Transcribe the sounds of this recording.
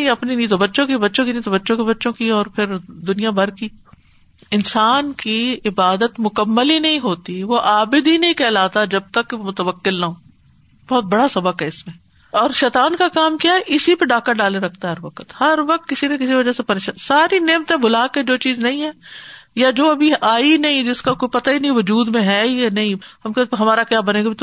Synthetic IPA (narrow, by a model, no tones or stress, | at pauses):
ĩɐpninĩt̪obɐtːʃõkibɐtːʃõkinĩt̪obɐtːʃõkebɐtːʃõkiɔːɾpʰɪɾd̪ʊnijabʱɐɾki | ɪnsaːnkiɪbaːd̪ət̪mʊkəmːəlinɐɦĩɦoːt̪iʋoʔaːbɪd̪ɦinɐɦĩkɛːlaːt̪ad͡ʒɐb̚t̪əkːmʊt̪əʋəkːɪlnaɦõː | bɔːt̪̚bɐɽasɐbəkɦɛɪsmẽː | ɔːɾʃɛːt̪aːnkakaːmkjaːɦɛʔɪsipeɖaːkaɖaːleɾɐkʰt̪aɦɐɾʋɐkət̪hɐɾʋɐk̚t̪̚kɪsinẽkɪsiʋɐd͡ʒasepɐɾeːʃaːnsaːɾineːmt̪ẽbʱʊlaːked͡ʒoːt͡ʃiːznɐɦĩɦɛːjad͡ʒoːɐbʱiʔaːinɐɦĩd͡ʒɪskakoːipɐt̪ainɐɦĩʋʊd͡ʒuːd̪mẽɦɛːjanɐɦĩɦɐmkeɦɐmaːɾakjaːbɐneːɡabit̪